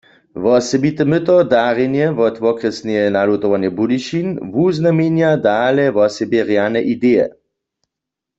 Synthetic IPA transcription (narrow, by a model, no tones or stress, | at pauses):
ʋɔsɛbit̪ɛmət̪ɔd̪aːʁjɛnjɛvɔt̪ʋɔkʁɛsnɛɛnalut̪oʋanjɛbudiʃinvuznamenjad̪alɛʋɔsɛbjɛʁjanɛʔid̪eːjɛ̰